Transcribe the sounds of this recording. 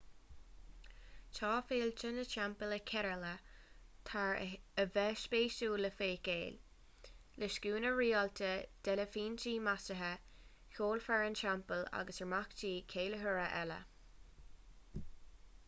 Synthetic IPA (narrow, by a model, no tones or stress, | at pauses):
tʰɑːfeːlt͡ʃənəʃampələkʰɛɾələt̪ʰaɹəvɛʃbeːʃuːləfeːkeːl | ləʃkuːnəɹiːɔltʰəd̪̥ɛləfiːnt͡ʃiːmasəɦə | xoːlfɛɹənt͡ʃampəla̰ɡəsəɹmakt͡ʃiːkʰeːləɦəɹəʔɛlə̰